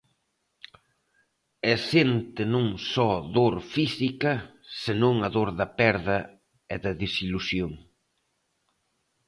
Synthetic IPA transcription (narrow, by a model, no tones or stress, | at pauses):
ɛsent̪ɪnõŋsɔðoɾfisikɐ | senõŋɐðoɾðɐpɛɾðɐ | ɛðɐðisilusjoŋ